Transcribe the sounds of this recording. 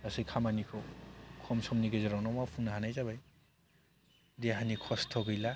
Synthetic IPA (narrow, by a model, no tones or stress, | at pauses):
asɯjkʰamanikʰɔkʰɔmsɔmniɡezɔɾawnɔmawpʰuŋnaɦanajzabaj | deɦanikʰɔstʰɔɡɯjla